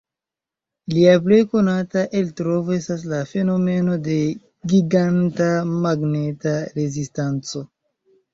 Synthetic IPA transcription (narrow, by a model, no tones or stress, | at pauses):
liap̬le̞jko̞nataʔeltɾo̞voe̞stas̬lafe̞no̞me̞no̞de̞ | ɡiɡantamaɡne̞taɾe̞zistant͡so̞